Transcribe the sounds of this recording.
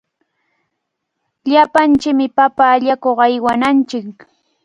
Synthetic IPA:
ʎapant͡ʃɪkmɪpapaːʎakoχɑjwanant͡ʃɪk

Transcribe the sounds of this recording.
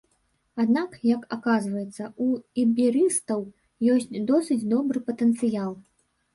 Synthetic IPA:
ad̪nakjɐkakazvɐjɛt̪sːɐuibʲiɾɨst̪ɐw | jɔsʲt͡sʲd̪ɔsɨt͡sʲd̪ɔbɾɨpɐt̪ɛnt̪sɨjalˠ

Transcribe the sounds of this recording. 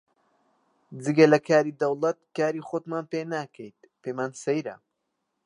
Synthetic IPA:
d͡zɨɡɐlɐkʰaːɾiːd̪ɐwlˠɐt̪̚kaːɾiːxot̪maːnpeːnaːkʰəjt̪̚ | pemaːnsejɾɐ̰

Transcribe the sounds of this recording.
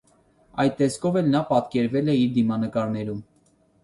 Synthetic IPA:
ɑjd̪̚t̪ːɛskʰɔvɛlnɑpɑt̪kɛɾvɛlɛiɾd̪imɑnəkɑɾnɛɾum

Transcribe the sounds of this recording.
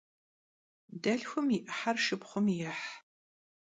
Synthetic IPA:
dɐɮxʷʊmɪʔħarʃɨpχʷʊmjɪħ

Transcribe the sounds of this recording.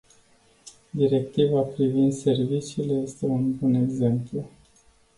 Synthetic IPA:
d̪iɾe̞k̚t̪ivapɾivind̪se̞rvit͡ʃiːle̞je̞st̪e̞unbune̞ɡze̞mplu

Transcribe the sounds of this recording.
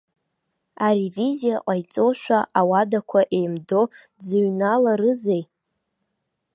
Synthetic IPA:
aɾivizijaqʼajt͡sʼoʃʷᶣaʔawadakʷʰaʔe̞jmdod͡zɨɥnalaɾɨzej

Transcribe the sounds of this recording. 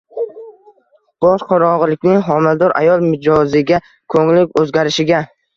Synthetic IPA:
b̥ɒʃqʰɒɾɒɴʁɨlɪkʲnɪŋɦɒmɪld̪ɒɾa̰jɒlˠmɪd͡ʒɒzɪɡʲa | kʰɵŋlɪkʲɵzɡʲaɾɪʃɪɡʲa

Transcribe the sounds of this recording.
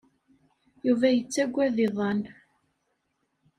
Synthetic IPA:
juvæjət͡sːæɡʷːæðɪðˤɑn

